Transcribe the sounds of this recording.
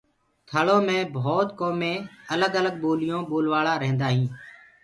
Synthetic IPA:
t̪ʰəɭõːmẽːbʱoːt̪koːmẽːələɡələɡ̚ɓoːlɪjõːɓoːlʋaːɭaːɾəɦːnd̪aːɦĩː

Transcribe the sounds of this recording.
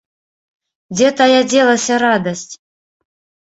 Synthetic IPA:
dʲet̪ajadʲelˠəsʲaɾɑd̪əsʲtʲ

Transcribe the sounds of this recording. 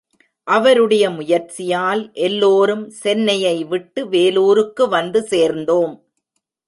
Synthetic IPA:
ʔɐʋɐɾɯɽɐjɐmʊjɐɾt͡ʃɪjaːlʔɛlːoːɾɯmsɛnːɐjɐɪʋɪʈːɯʋeːluːɾɯkːɯʋɐnd̪ɯseːɾnd̪oːm

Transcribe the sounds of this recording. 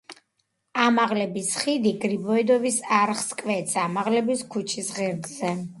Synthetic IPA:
amaʁlɛbisχid̪iɡɾibɔid̪ɔvisaɾχskʼvɛt̪samaʁlɛbiskʰut͡ʃʰisʁɛɾd̪zɛ

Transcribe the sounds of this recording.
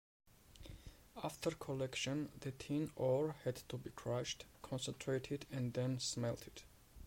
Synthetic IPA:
aftʰəɹkʰɔlɛkʃɔ̃nðɨt̪ʰĩnɔɹhɛdt̪ʰubikʰɹ̥aʃtkʰɔ̃nsə̃ntʰɹetʰɪdɛ̃nðɛ̃nsmɛlˠtʰɪd̥

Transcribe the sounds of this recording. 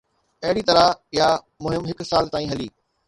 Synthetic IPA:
ɐɦɪɽit̪ɐɾaja | mʊɦɪmɦɪksaːlt̪aːĩːɦɐliː

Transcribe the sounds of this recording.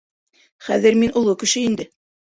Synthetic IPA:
χæðɘɾminʔŏlˠɤkɘ̆ʃɘind̪ɘ

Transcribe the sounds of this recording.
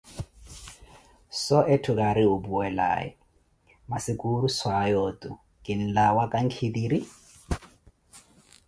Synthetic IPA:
sɔʔetʰʊkaɾɪʊbuɛla̰ːjɛ̰ | masɪkʼuɾuswajɔːtʼʊ | kʼɪn̩lawakʼaŋ̩kʰid̪iːɾi

